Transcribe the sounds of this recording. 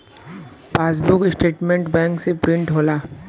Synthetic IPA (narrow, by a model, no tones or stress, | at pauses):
paːs̬bʊkɪsʈeːʈmẽɳʈbɛ̃ːŋksepɾɪ̃ɳʈɦoːlaː